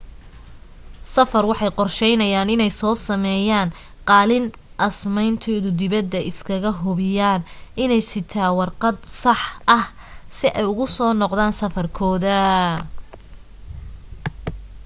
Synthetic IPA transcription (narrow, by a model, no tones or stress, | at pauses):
sɐfɐrwɑħɑjqɔrʃɛjnɐjaːnɪnɛjsɔːsɐmɛːjaːn | qɑːlɪn | ʔɐsmɛjnt̪ʰɔːðʊd̪ɪβɐd̪ːɐʔɪskʰɐɣɐɦʊβɪjaːnɪnɛjsɪt̪ʰaːwɑrqɑd̪sɑħʔɐh | sɪʔɛjʊɣʊsɔːnɔqðaːnsɐfɐrkʰɔːðɐ